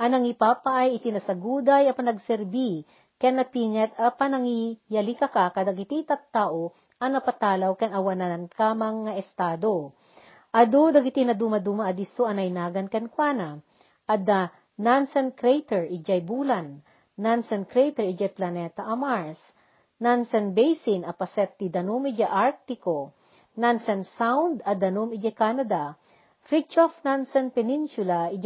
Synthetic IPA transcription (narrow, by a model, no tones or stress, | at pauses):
ʔɐnɐŋipaːpɐʔajɪt̪ɪnɐsɐɡuːd̪ɐjɐpɐnɐɡsɛɾbi | kanɐpiːŋɐt̪ɐpɐnɐŋijɐlikɐkakɐd̪ɐɡɪt̪it̪ɐt̪ːaʔo | ʔɐŋnɐpɐt̪aːlɐwkɐnɐwɐnankamɐŋaʔɛst̪aːd̪o | ʔɐd̪od̪ɐɡɪt̪inɐd̪umɐd̪umɐɐd̪isoɐnɐjnaːɡɐnkɐnkwaːnɐ | ʔɐd̪ɐ | nansɛnkɾɛjt̪ɛɹʔɪd͡ʒɐjbulɐnː | ansɛnkɾɛjt̪ɛɹid͡ʒɐjplɐnɛt̪ɐʔɐmaɹs | nansɛnbɛjsɪnɐpɐsɛt̪ːid̪ɐnomɪd͡ʒaʔaɹk̚t̪ɪko | nansɛnsawnd̪ɐd̪ɐnomɪd͡ʒɐkanɐd̪ɐ | fɾɪt͡ʃofnansɛnpɛnɪnsʊlaid͡ʒ